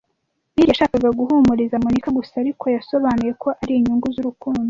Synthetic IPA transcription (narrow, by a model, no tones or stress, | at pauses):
niɾaʃaːkaɡaɡuɦumuɾizamonikaɡusaɾikʰo̞jaso̞βaːnuje̞kʰo̞ʔaɾiiɲuŋɡuzuɾukuːndu